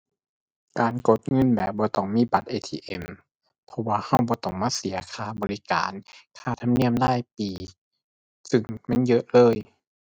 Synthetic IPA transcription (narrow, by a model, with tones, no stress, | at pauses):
kaː˨nko˧˦t̪̚ŋɤ˧˥˨nbɛː˨˩p̚bɔː˧˦t̪ɔː˧˩ŋmiː˧˥˨ba˨˦t̪̚ʔeː˧t̪ʰiː˧ʔe˧˩m | pʰɔ˧waː˧ha˧˩wbɔː˧˦t̪ɔː˧˩ŋmaː˧˥˨si˨˦ɐkʰaː˧˩bɔː˨li˦ka̰ː˨nkʰaː˧˩t̪ʰa˧mni˧˥˩əmlaː˧˥˩jpiː˨˩ | sɯ˧˩ŋmɛ˧˥˨njɤ˦˥ʔlɤː˧˨j